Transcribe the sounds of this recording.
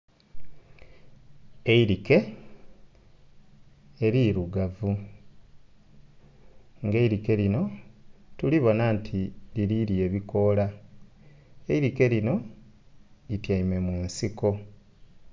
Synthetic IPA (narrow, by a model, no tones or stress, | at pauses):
eiɾike̞ | e̞ɾiɾuɡavu | ŋɡe̞iɾike̞lino̞tuliβo̞nantʰiliɾiɾie̞βiko̞la | eiɾike̞lino̞ | itjaime̞muːnsiko̞